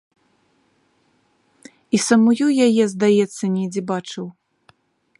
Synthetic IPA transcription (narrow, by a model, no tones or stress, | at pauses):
isɐmujujajɛzd̪ajɛt̪sːɐnʲɛd͡zʲɛbat͡ʂɨw